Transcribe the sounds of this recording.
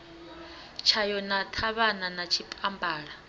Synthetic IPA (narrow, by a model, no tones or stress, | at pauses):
t͡ʃʰajɔnatʰaβananat͡ʃʰipʼambʱaːɺa